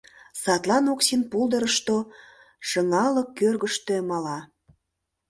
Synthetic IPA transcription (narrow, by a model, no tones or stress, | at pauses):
sɑt̪lɑnoksinpulˠd̪əɾəʃt̪o | ʃəŋɑləkːørɣəʃt̪ømɑlɑ